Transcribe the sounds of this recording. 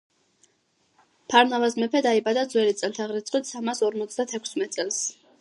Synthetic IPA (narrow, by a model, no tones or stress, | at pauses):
pʰaɾnavasmɛpʰɛd̪aibad̪ad̪zwɛlit̪sʼɛlt̪ʰaʁɾit̪sʼqʼwit̪samasɔɾmɔt̪sʰd̪at̪ʰɛkʷʰsmɛt̪ʼsʼɛlˠs